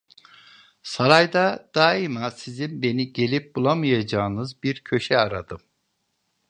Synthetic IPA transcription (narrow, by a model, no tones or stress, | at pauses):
saɾajd̪ad̪̥aimasizimbe̞niɟe̞lʲip̚bulˠamɯjad͡ʒaːnɯzbiɾcʰø̞ʃɛaɾad̪ɯm